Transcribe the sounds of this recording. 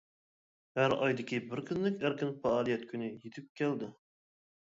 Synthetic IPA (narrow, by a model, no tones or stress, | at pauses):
hæɾɑjd̪ɪkʲʰibɪɾkʲʰynlɪkʲæɾkʲɪnfɑɑːlˠijɛt̪̚kʲʰynɪjet̪ʰɪp̚kʲʰɛld̪ɪ